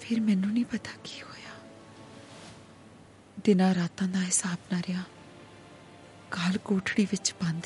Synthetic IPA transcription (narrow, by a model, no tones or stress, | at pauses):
pʰɪɾmɛːnũːnĩːpət̪ḁːki̥hoːjaː | d̪ɪnãːɾaːt̪ãːd̪aːɦɪsaːbnaːɾɪjãː | ɡəlkoːʈʰɽiːʋɪt͡ʃbãːnd̪